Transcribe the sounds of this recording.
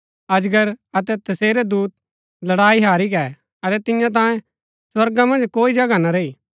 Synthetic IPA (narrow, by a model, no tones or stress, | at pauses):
ɐd͡ʒɡəɾɐt̪ɛt̪ɐseːɾɛd̪uːt̪̚ | lɐɽaːiɦaːɾik̬ɛ | ɐt̪ɛt̪ɪ̃jãt̪̬ãːjẽ | swɐɾɡamɐ̃nd͡ʒkoːid͡ʒɐɡanaɾeiː